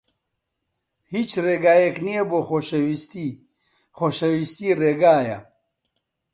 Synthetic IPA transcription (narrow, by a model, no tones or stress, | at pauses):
hit͡ʃreːɡaːjeknijeboːxoʃɐwist̪i | xoʃɐwist̪iːreːɡaːjɐ̰